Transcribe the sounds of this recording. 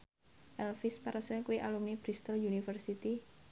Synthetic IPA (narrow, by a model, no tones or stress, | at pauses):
ʔɛlfɪspaɾəsɛkuiʔalumnib̥ɾist̪əljunifərsit̪i